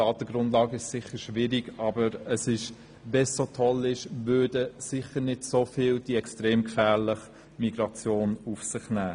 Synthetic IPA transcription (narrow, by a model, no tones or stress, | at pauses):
ɑːt̪əɡ̥ɾʊndlɑːɡəɪʃsɪχəɾʃʋɪɾiɡɑbəɾəsɪʃ | vɛsːotʰɔlɪʃvʏːd̥əsɪχəɾnɪdsofɪːld̥iɛkstʁeːmkfæːʁlɪχ | miɡ̥ɾɑt͡sjoːnufsɪχnæː